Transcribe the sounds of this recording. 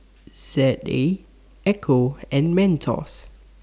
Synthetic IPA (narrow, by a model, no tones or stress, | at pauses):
zɛte | ɛkʰoɛ̃nmɛ̃ntʰɔ̰s